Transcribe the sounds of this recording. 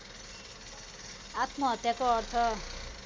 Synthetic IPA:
at̪mʌɦʌt̪jakoːrt̪ʰʌ

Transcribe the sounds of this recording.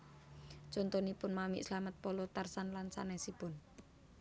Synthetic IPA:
t͡ʃɔnt̪ɔnipʊnmamḭʔslamət̪̚pɔlɔt̪arsanlansa̰nɛsib̥ʊn

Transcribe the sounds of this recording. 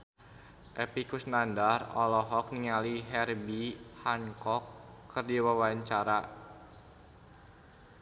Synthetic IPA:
ʔɛpikusnandarɔ̰lɔɦɔk̚niŋaliɦɛrbihaŋkɔkːərdiwawaɲt͡ʃaɾa

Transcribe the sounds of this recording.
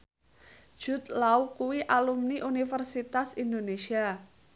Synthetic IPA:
ʒ̥ṳt̪lawkuwiʔalumniʔunifərsit̪asind̪onesia

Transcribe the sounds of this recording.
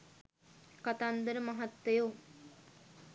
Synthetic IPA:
kat̪and̪əɾəmɐɦat̪ːeju

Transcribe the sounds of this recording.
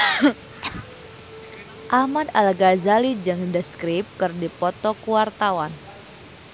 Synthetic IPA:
ʔamad̪alɡazalid͡ʒɨŋdəskɾip̚kɨrdipɔt̪ɔkuwart̪awan

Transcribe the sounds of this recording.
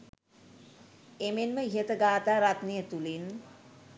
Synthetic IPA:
emenməiɦət̪əɡaːt̪aːɾat̪nejət̪ulin

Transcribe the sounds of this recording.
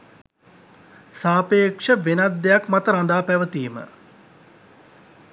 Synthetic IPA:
saːpeːkʂəʋenad̪ːejakmat̪əɾand̪aːpæʋət̪iːmə̰

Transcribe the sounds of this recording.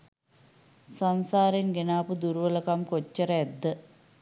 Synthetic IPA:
sɐnsaːɾenɡenaːpud̪uɾuʋəlɐkamkot͡ɕːɐɾɐed̪ːə

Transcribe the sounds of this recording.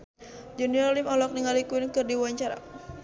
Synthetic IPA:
d͡ʒuniɔlimɔlɔk̚niŋalikuinkɨrdiwaɲt͡ʃaɾa̰

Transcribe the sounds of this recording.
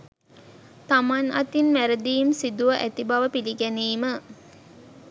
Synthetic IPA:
t̪amanɐt̪inʋæɾəd̪iːmsid̪uʋəʔæt̪ibɐʋəpiliɡæniːmə

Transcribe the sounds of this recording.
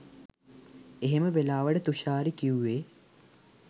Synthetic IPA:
eɦeməʋelaːʋəɖət̪uʃaːɾikiuːeː

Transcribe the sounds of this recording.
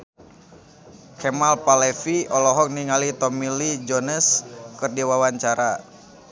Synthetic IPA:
kʰɛmalpalɛfiɔlɔɦɔk̚niŋalit̪ɔmilid͡ʒɔnəskɨrdiwawaɲt͡ʃaɾa

